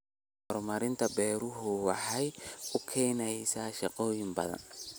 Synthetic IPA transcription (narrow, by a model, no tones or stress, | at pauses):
hɔrmɐɾɪnt̪ʰɐbɛːɾʊɦʊwɑħɛjʊkʰɛːnɛjsɐːʃɑqɔːjɪmbɐ̰ðɐ̰n